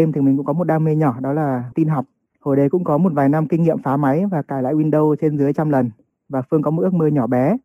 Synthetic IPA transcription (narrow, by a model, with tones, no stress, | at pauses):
e˧mt̪ʰi˨˩mi˨˩ŋ̟kʊ̰˧˥kɔ˨˦mo˨˩t̚ɗaː˧me˧ɲɔ˧˩ɗɔ˨˦laː˨˩t̪i˧nɦa˨˩wk͡p̚ | ho˨˩jɗə˨˧˩jkʊ̰˧˥ŋ͡mkɔ˨˦mo˨˩t̚vaː˨˩jna˧mkï˧ŋ̟ŋḭ˧˨əmfaː˨˦ma˨˦jvaː˨˩kaː˧˩jla̰ː˧˨jʔwi˧nɗə˧wt͡ɕe˧nzɨ˨˦əjt͡ɕa˧mlə˨˩n | vaː˨˩fɨ˧əŋkɔ˨˦˨tʔək̚məː˧ɲɔ˧˩ɓɛ˨˦